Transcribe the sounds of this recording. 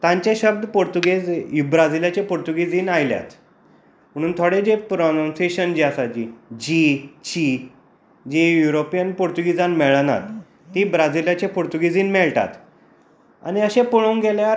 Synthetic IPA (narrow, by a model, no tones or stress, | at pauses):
t̪ãɲt͡ɕeɕəb̚d̪poɾt̪uɡed͡zubɾad͡ziljat͡ɕepoɾt̪uɡid͡ziːnajlja̰t̪ | m̤əɽ̃uːnt̪ʰoɽed͡ʑepɾonãnseɕənd͡ʑiasad͡ʑid͡ʑit͡ɕi | d͡ʑejuɾopijənpoɾt̪uɡid͡zanmɛɭəna̰t̪ː | iːbɾad͡ziljat͡ɕepoɾt̪uɡid͡ziːnmɛɭʈa̰t̪ | a̰niəɕẽpuɭ̃ow̃ŋɡelja